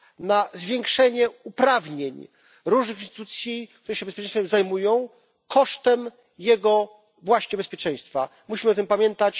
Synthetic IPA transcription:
nazvʲjɛŋkʂɛɲɛupɾavɲeɲ | ɾuʐnɘxinst̪ɨt̪ut̪sʲjik̚t̪uɾɛɕɛbɛspʲjtt͡ʂɛjsfɛmzajmujɔ̃w̃ | kʰɔʂt̪ɛm | jɛɡɔ | vwaɕɲɛbɛspʲjɛt͡ʂɛ̃j̃st̪fa | muɕimɘɔt̪ɘmpamʲjɛnt̪at͡ɕ

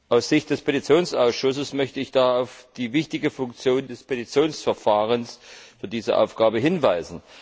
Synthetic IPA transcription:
ʔaʊsz̥ɪçt̚d̥ɛspʰetit͡sjoːnsʔaʊsʃʊsəsmœçtəɪçd̥aːaʊfd̥iːvɪçtɪɡəfʊŋkt͡sjoːndɛspʰetit͡sjoːnsfɛɐfaːʁənsfyːɐdiːzəʔa̰ʊfɡ̥aːbəɦɪnvaɪzn̩

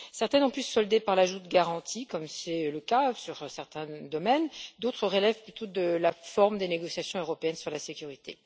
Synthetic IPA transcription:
sɛʁt̪ɛnɔ̃plysɔld̪epaʁlaʒut̪ɡaʁɑ̃t̪ʰikɔmsɛləkasyʁsɛʁt̪ɛ̃d̪ɔmɛnd̪ot̪χəʁəlɛvplyt̪od̪əlafɔʁmd̪eneɡɔsjasjɔ̃øʁɔpeɛnsyʁlasekʲyʁit̪e

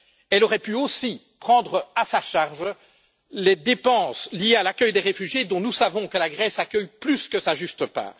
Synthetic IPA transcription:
ɛlɔʁɛpyosi | pχɑ̃d̪ʁəasaʃaʁʒ | led̪epɑ̃ːslijealakʲœjd̪eʁefyʒjed̪ɔ̃nusavɔ̃kəlaɡʁɛsakʲœjplyskəsaʒyst̪əpa̰ːʁ

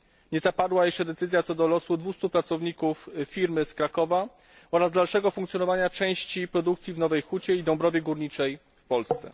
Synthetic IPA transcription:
ɲɛzapad̪wajɛʂt͡ʂɛd̪ɛt̪sɘzjat̪sɔd̪ɔlɔsud̪vust̪upɾat̪sɔvɲikuffʲiɾmɘskɾakɔva | ɔɾazd̪alʂɛɡɔfuŋkt̪sʲjɔnɔvaɲat͡ʂɛ̃w̃ɕt͡ɕipɾɔd̪ukt̪sʲjivnɔvɛjxut͡ɕɛid̪ɔ̃mbɾɔvʲjɛɡuɾɲit͡ʂɛj | fpɔlst̪sɛ̰

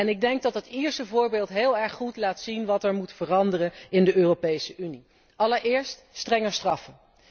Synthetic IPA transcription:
ɛnɪɡ̚dɛŋɡ̚dɑtɦətiːɹsəvʊːɹbeːlˠtɦeːlˠɛɹχːutlaːtsinʋɑtɛɹmutfərɑndərəɪndəøːropejsəʔyni | ɑləɹɪːɹst | strɛŋəɹstrɑfən

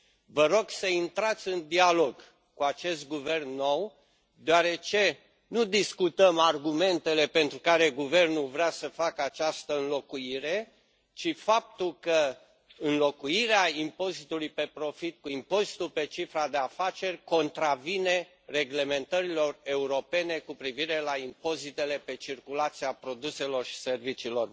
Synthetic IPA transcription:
vəɾo̞ɡsəint̪ɾat̪sʲɨnd̪ialo̞ɡ | kuat͡ʃe̞st̪̚ɡuve̞rnːo̞w | d̪eaɾe̞t͡ʃe̞ | nud̪iskut̪əmarɡume̞nt̪e̞le̞pe̞nt̪ɾukaɾe̞ɡuve̞rnulvɾeasəfakəat͡ʃast̪əɨnlo̞kuiɾe̞ | t͡ʃifap̚t̪ulkə | ɨnlo̞kuiɾeaimpo̞zit̪ulujpe̞pɾo̞fit̪̚kuimpo̞zit̪ulpe̞t͡ʃifɾad̪e̞afat͡ʃe̞rʲko̞nt̪ɾavine̞ | re̞ɡle̞me̞nt̪əɾilo̞re̞uɾo̞pe̞ne̞kupɾiviɾe̞laimpo̞zit̪e̞le̞pe̞t͡ʃirkulat̪siapɾo̞d̪use̞lo̞rʃi̥se̞rvit͡ʃiːlo̞r

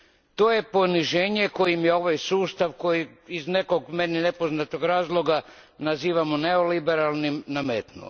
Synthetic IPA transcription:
t̪o̞je̞po̞niʒeːɲe̞kojimjeo̞ʋajsuːst̪aʋko̞jiizne̞ko̞ɡme̞nine̞po̞znat̪oɡɾaːzlˠo̞ɡa | naziːʋamoneolibe̞ɾalˠnimnameːt̪nṵ

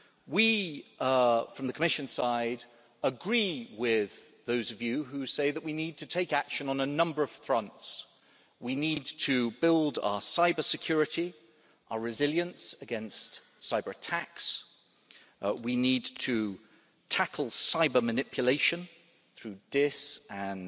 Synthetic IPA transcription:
wi | fɹʌ̃mðɨkʰəmɪʃɨ̃nsaɪd | əɡɹiwɪð̥ | ðoʊzʌvjʉɦʉseɪðəʔwinid̚tʰɨtʰeɪkækʃɨ̃nə̃nənʌ̃mbə˞ʌv̥θɹʌ̃nts | winid̚tʰɨbɪlˠda̰əsaɪbə˞sɨkʰj̥ɔɹɨɾi | ʔəəɹɨzɪlˠjɨ̃nsɨɡɛ̃nst | saɪbə˞ətʰæks | winidtʰɨ | tʰakʰəl̩ˠsaɪbəmɨnɪpʰjəleɪʃɨ̃n | θɹʉd̥ɪsə̃n

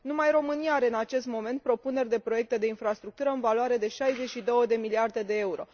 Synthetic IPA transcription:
numajɾo̞mɨnijaaɾe̞ɨnat͡ʃe̞st̪mo̞me̞nt̪̚pɾo̞pune̞rʲd̪e̞pɾo̞je̞k̚t̪e̞d̪e̞infɾast̪ɾuk̚t̪uɾəɨnvaloaɾe̞d̪e̞ʃajze̞t͡ʃʲʃid̪o̞wəd̪e̞miliard̪e̞d̪e̞e̞uɾo̞̰

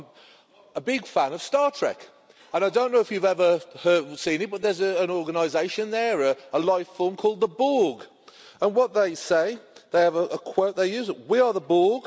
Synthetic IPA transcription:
əbɪɡ̥fæ̃nʌv̥stɑɹtʰɹ̥ɛ̰k | ə̃naɪdõʊ̃nːoʊɪfjʉvɛvəhɜ˞d̚sĩnɨt̚b̥ʌt̪̚ðə˞zəə̃nɔɹɡənaɪzeɪʃə̃nðəɹəəlaɪffɔlˠmkʰɔːlˠd̪̚ðəbɔːɡ | ə̃nwʌt̪̚ðeɪseɪðeɪəvəʔəkʰw̥oʊt̪̚ðeɪjʉːzɪt̚wiəðəbɔːɡ̥

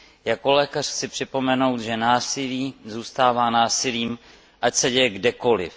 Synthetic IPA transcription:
jako̞lɛːkar̥xt͡sɪpr̥ɪpo̞mɛno̞wt̪ʒɛnaːsɪliːzuːst̪aːvaːnaːsɪliːm | ʔacsɛɟɛjɛɡdɛko̞lɪ̰f

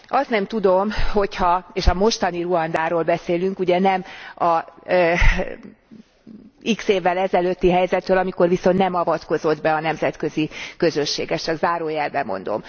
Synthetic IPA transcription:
ɒst̪nɛmt̪ud̪o̞mho̞chɒeːʃɒmo̞ʃt̪ɒniruɒnd̪aːɾoːlbɛseːlyŋkuɟɛnɛmɒ | ikseːvːɛlɛzɛløt̪ːiɦɛjzɛt̪ɾøːlɒmiko̞rviso̞nt̪nɛmɒvɒt̪ko̞zo̞d̪bɛɒnɛmzɛt̪kø̞zikø̞zøʃːḛːɡɛst͡ʃɒɡzaːɾoːjɛlbɛmo̰nd̪o̰m

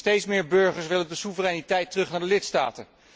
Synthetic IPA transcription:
tejtsmɪːɹbɵɹχəɹsʋɪlədəsuvərɛjnitɛjtərɵχnaːɹdəlɪtsta̰ːtə

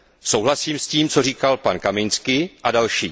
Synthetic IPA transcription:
so̞wɦlasiːmsciːmt͡so̞r̝iːkalpankamɪnt͡skɪʔadalʃiː

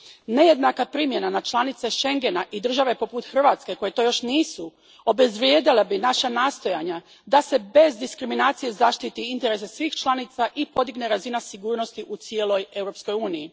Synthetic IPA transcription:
ne̞je̞d̪nakapɾiːmje̞nanat͡ʃlˠanit̪se̞ʃe̞ŋɡe̞naʔid̪r̩ʒaʋe̞po̞put̪xr̩ʋat̪ske̞ko̞jet̪o̞jo̞ʃniːsu | o̞be̞zʋɾjeːd̪ilebinaʃanaːst̪o̞jaɲa | d̪ase̞be̞zd̪iskɾiminaːt̪sijezaːʃt̪it̪iint̪e̞ɾe̞sesʋiːxt͡ʃlˠaniːt̪saʔipo̞d̪iɡne̞ɾazinasiɡuːɾnost̪iʔut̪sielˠo̞je̞wɾo̞psko̞juːniji

